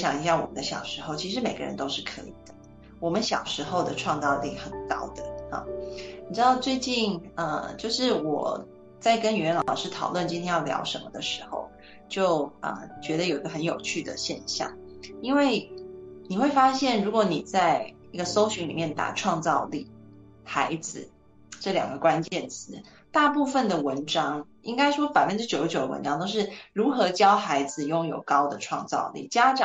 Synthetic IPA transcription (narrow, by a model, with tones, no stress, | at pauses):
ɕjɑ˨˩ŋi˧˥˩ɕjɑ˥˩ŋwɔ̰˨˩mə̰˦nd̪ə˧ɕjɑ̰˨˩ʊʂɻ̩˧˥xo˥˩ʊt͡ɕʰi˧˥ʂ̬ɻ̩˧˥me˨˩ɪɡə̰˦ɻə̰˧˦nt̪o˥ʊʂɻ̩˥˩kʰɤ̰˧˥ḭ˨˩d̪̥ə̥˦ | wɔ˨˩mə˦nɕjɑ˨˩ʊʂɻ̩˧˥xo˥˧ʊd̪ə˩ʈ͡ʂʰwɑ˥˧ŋt͡sɑ˥˧ʊli˥˩xə˨˩nkɑ̰˥ʊd̪̥ə˨ə̰˨˩ni˨˩ʈ͡ʂɻ̩˥d̪ɑ˥˧ʊt͡swe˥˧ɪt͡ɕi˥˩nə̰˧t͡ɕjo˥˧ʊʂɻ̩˥˩wɔ̰˨˩ | t͡sa˥˩ɪkə˥ny˨˩ɥɛ˧˥nlɑ˨ɑ˨˩ʊʂɻ̩˥˧t̪ʰɑ˨˩ʊlwə˥˩nt͡ɕi˥nt̪ʰjɛ˥jɑ˥˩ʊljɑ̰˧˥ʊʂə˧˥nmə˧d̪ə˨ʂɻ̩˧˥xo̰˥˧ʊ | t͡ɕjo˥˩ʊə̰˨˩t͡ɕɥɛ˧˥d̪ə˧jo˨˩i˧˥ɡə˧˩xə˧˦njo˨˩ʊt͡ɕʰy˥˩d̪ə̰˨ɕjɛ˥˧nɕjɑ̰˥˩ŋ | i˥nwe˥˩ɪni˨˩xwe˥˩ɪfa˥ɕjɛ˥˩nɻu˧˥kwɔ˧˥ni˨˩t͡sa˥˩ɪ | i˥ɡə˧so˥ʊɕy˧˥lḭ˨˩mjɛ˥˩nt̪a̰˨˩ʈ͡ʂʰwɑ˥˧ŋt͡sɑ˥˧ʊlḭ˥˩ | xa˧˥ɪd͡zɹ̩˨ | ʈ͡ʂɤ˥˩ljɑ̰˨˩ŋɡə˦kwa˦˥nt͡ɕjɛ˥˩nt͡sʰɹ̩˧˥ | t̪a˥˧pu˥˩fə˨˩nd̪ə˩wə˧˥nʈ͡ʂɑ˥ŋ | i˥ŋka˥ɪʂwɔ˥pa˨˩ɪfə˦nʈ͡ʂɻ̩˥t͡ɕjo˨˧ʊ˥t͡ɕjo˨˩ʊd̪əwə̰˧nʈ͡ʂɑ˥ŋt̪o˥ʊʂ̬ɻ̩˥˩ɻu˧˥xɤ˧˥t͡ɕjɑ˥ʊxa˧˥ɪd͡zɹ̩˨jʊ˥˩ŋjo˨˩ʊkɑ˥ʊd̪ə˨ʈ͡ʂʰwɑ˥˧ŋt͡sɑ̰˥˧ʊlḭ˥˩t͡ɕja˥ʈ͡ʂɑ˨˩